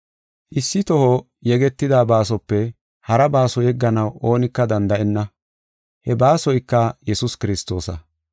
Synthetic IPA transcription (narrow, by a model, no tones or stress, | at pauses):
ʔɪsːɪt̪ɔhɔ | jɛɡɛt̪ːɪd̪aːbaːs̬ɔpːɛ | hɐɾɐbaːsɔjɛɡːɐnɐwʔo̞ːnɪkːɐd̪ɐnd̪ɐʔɛnːɐ | hɛbaːsɔjkːɐjɛsʊskɪɾɪst̪ːo̞ːsɐ